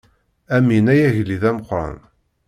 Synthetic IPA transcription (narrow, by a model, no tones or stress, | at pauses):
æminæjæʝliðæməqːɾˤɑ̰n